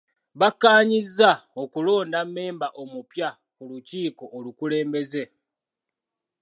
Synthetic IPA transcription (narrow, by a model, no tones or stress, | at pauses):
βakːaːɲizːao̞kulo̞ːndamːe̞ːmbaʔo̞mupja | kuluciːko̞ʔːlukule̞ːmbe̞ze̞